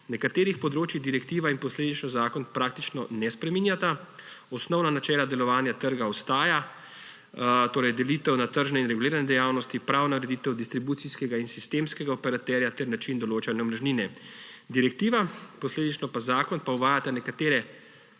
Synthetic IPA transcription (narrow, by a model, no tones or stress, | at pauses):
nɛkat̪eːɾixpɔd̪ɾoːt͡ʃjiɣd̪iɾɛkt̪iːʋainpɔsleːd̪it͡ʃnɔzaːkɔnpɾakt̪it͡ʃnɔnɛspɾɛmiːnjat̪aɔsnɔwnanat͡ʃɛːlad̪ɛlɔʋaːnjat̪əɾɡaɔst̪aːja | t̪oːɾɛjd̪ɛliːt̪ɛwnat̪əɾʒnɛinɾɛɡuliːɾanɛd̪ɛjaːwnɔst̪ipɾaːwnaɾɛd̪iːt̪ɛwd̪ist̪ɾibuːt̪siskɛɡainsist̪emskɛɡaɔpɛɾat̪ɛɾjat̪ɛɾnat͡ʃind̪ɔloːt͡ʃanjɛmɾʒniːnɛd̪iɾɛk̚t̪iːʋapɔsleːd̪it͡ʃnɔpazaːkɔnpauʋaːjat̪anɛkat̪eːɾɛ